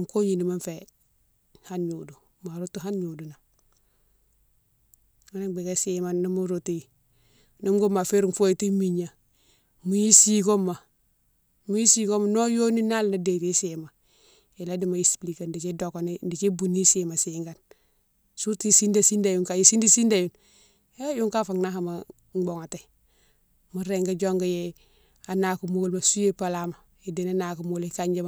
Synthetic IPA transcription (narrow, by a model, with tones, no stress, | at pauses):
ŋko˦ɲi˨ndi˨ma˦nfe˨ | ha˦nɲu˨du˨ | ma˨ɾu˦tu˦ɦa˦nɲu˨du˨na˨ | ma˦na˦be˨ɡe˦si˦ma˨nna˦mu˦ɾutu˦ji˨ | nu˦mɡo˦ma˨fe˦ɾu˨ŋfo˦i˨ti˦mi˨ɲa˨ | mu˨ji˦si˦ko˦mːa˨ | mu˦ji˦si˦ko˦ma˨no˦jo˦ni˦na˦lna˨de˨ti˦se˨ma˨ | i˨la˦di˨ma˨i˨spli˨ka˨ndi˨t͡ʃi˦do˨ko˨ndi˨t͡ʃi˦bu˨ni˦si˨ma˨si˨ŋɡa˨n | su˦ti˦si˦nda˨si˦nda˨ju˦ŋka˨ji˨si˦ndi˦si˦nda˨ju˨n | e˦ju˦ŋka˦fa˨ŋna˦ha˨ma˨ | ŋ͡mɡ͡bo˨ŋa˨te˨ | mu˦ɾe˨ŋɡa˦d͡ʒo˦ŋɡa˨je˨ | a˨na˨ku˨molma˨su˦je˦pa˨la˦ma˨ | i˨di˨na˦na˨ku˨molka˦ɲd͡ʒa˦ma˨